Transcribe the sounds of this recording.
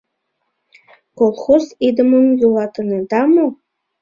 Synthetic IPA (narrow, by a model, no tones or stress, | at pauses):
kolˠxozid̪əməmjulˠɑt̪əned̪ɑmo